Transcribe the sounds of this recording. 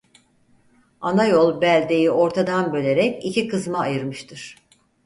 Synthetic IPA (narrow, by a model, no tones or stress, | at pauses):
anajolˠbælʲd̪e̞jio̞ɾt̪ʰad̪anbø̞lʲe̞ɾɛcicʰikɯzmaːjɯɾmɯʃt̪ʰɯɾ̥